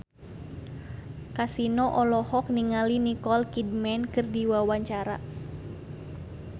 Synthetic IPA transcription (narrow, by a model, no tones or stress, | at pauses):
kasinɔʔɔlɔhɔk̚niŋalinikɔlkidmɛnkɨrdiwawaɲt͡ʃaɾa̰